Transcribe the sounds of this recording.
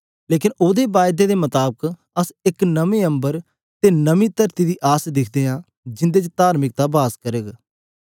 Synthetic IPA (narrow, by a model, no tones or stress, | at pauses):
leːkɪnoːd̪eːbaːjd̪eːd̪eːmət̪aːbək | əsɪknəʋẽːə̃mbəɾ | t̪eːnəʋĩːt̪əɾt̪iːd̪iːʔaːsd̪ɪkʰd̪eːãː | d͡ʒɪ̃nd̪eːt͡ʃət̪aːɾmɪk̚t̪aːbaːskəɾeːɡ